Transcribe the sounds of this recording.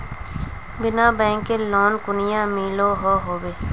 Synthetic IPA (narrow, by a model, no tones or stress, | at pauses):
bɪnaːbɛ̃ːŋkelɔːnkʊnɪjãmiːloɦoːɦoːbeː